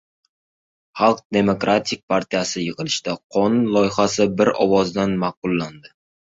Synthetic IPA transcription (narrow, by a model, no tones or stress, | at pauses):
χɑlˠq̚d̪e̞mo̞kɾat̪ʰɪk̚ʲpʰaɾt̪ʰijasɪjɨʁɨlɪʃt̪aqʰɒnʊnlˠɒjɪχasɪbɪɾɒ̰wɒzd̪anmɑq̚ʊlˠːand̪ɪ